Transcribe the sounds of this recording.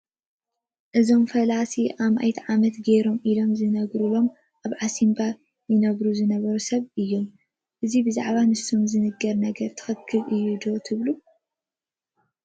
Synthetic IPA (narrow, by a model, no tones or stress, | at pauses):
ʔɨzo̞mfɐlasiʔamʔa̰jt̪ʕamɐt̪ɡeɾo̞mʔilo̞mzɨnɐɡɾulo̞m | ʔaβʕasimba | jɨnɐβɾuzɨnɐβɐɾusɐβɨjːom | ʔɨzibɨzaʕβanɨst̪omzɨnɨɡɐɾnɐɡɐɾt̪ʰɨ̥xɨkʰːɨlʔɨjːud̪o̞t̪ʰɨβlu